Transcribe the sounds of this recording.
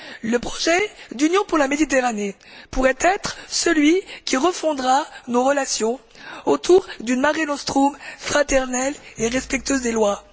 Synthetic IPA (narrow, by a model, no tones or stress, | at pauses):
ləpχɔ̥ʒɛd̪ynjɔ̃puʁlamed̪it̪eʁane | puʁɛt̪ɛt̪χsəlɥikʲiʁəfɔ̃d̪ʁanoʁəlasjɔ̃ | ot̪ʰuʁd̪ynmaʁinɔst̪χumfχat̪ɛʁnɛleʁɛspɛk̚t̪øzd̪elwa